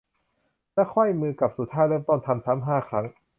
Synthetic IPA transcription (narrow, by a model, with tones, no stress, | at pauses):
lɛ˦˥kʰɔ˥˩jmɯː˧ka˨˩p̚su˨˩t̪ʰaː˦˥˩jlɤː˥˩˨mt̪ɔː˥˩nt̪ʰa˧mt̪ʰa˦˥mɦaː˥˩xʰa˦˥ŋ